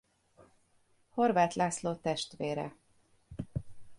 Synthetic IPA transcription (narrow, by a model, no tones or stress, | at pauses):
ho̞rvaːt̪lʔaːsloːt̪ɛʃt̪ʋeːɾɛ̰